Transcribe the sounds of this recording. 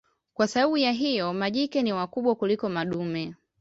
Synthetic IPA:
kwasaɓaɓujaɦijɔmaʄikɛniwakuɓwakulikɔmaɗumɛ

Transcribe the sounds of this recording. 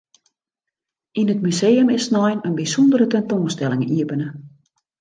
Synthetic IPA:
inətmyseːəmɪsnɔjnənbisondəɾətɛntoːnstɛlɪŋiəbənə

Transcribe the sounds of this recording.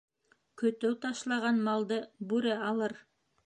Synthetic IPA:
kɵ̆t̪ɘwt̪ɑʃlˠɑʁɑnmɑlˠd̪ɤbʉɾɘɑlˠɤɾ

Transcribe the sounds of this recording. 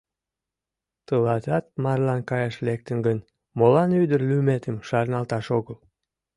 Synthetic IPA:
t̪əlɑt̪ɑt̪̚mɑrlɑnkɑjɑʃlek̚t̪ənɡən | molɑnyd̪ərlymet̪əmʃɑrnɑlt̪ɑʃoɣəl

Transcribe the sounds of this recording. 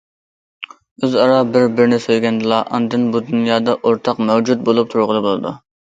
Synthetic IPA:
øzɑɾɑbɪɾbɪɾnɪsøjɡʲɛnd̪ɨlˠɑʔɑ̰nd̪ɨnbud̪unjɑːd̪ɑʔoɾt̪ʰɑqmɛwd͡ʒut̪̚bolˠup̚t̪ʰuɾʁəlˠɨbolˠɨd̪u

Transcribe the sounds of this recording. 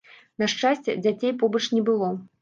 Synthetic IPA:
nɐʂt͡ʂasʲt͡sʲɛ̰d͡zʲat͡sʲejpɔbɐt͡ʂnʲɛbɨlˠɔ

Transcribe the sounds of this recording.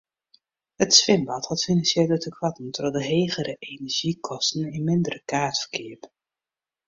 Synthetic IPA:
hətsʋɪmbɑthɑtfinɑnsjeːlətəkʰwɑtən̩tədɔdəɦejɣəɾəʔenɛɹʒ̥ikʰɔstn̩ɪnmɪndərəkaːtfə̥rkʰɪəp

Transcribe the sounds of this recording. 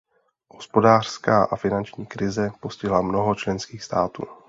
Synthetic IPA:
ɦospo̞daːr̝̥skaːʔafɪnant͡ʃɲiːkɾɪzɛpo̞scɪɦlamnoɦot͡ʃlɛnskiːxst̪aːt̪ṵː

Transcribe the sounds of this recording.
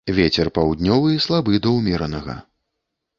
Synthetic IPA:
vʲet͡sʲɛrpawd̪ʲnʲɔvɨislˠabɨd̪ɐwmʲɛɾɐnɐɣɐ̰

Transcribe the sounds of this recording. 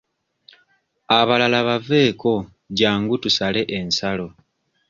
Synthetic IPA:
aβalalaβave̞ːko̞ | ɟaːŋɡutusale̞ʔensalo̞

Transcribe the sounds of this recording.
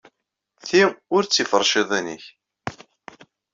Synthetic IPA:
θiʁʊɾt͡sːifəɾˤːʃiðˤænḭç

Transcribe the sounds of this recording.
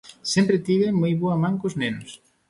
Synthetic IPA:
sempɾet̪iðeŋmojβoɐmãŋkoznenʊs

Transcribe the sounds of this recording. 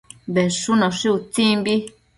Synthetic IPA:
βeʂunãʂiut͡sĩmbi

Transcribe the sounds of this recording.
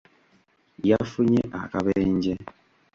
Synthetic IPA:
jafuɲeʔa̰kaβɛɲ̩d͡ʒɛ

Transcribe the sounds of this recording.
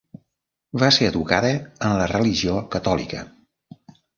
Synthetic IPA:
βaseəðukaðəənlərəliʒiokət̪ɔlḭkə̰

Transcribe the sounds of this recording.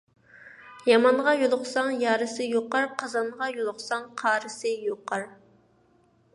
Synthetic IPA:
jɑmɑɴʁɑjolˠʊχsɑŋjɑːɾɨsɨjoqɑɾqʰɑzɑnʁɑjolˠʊχsɑŋqʰɑːɾɨsɨjoqʰɑɾ

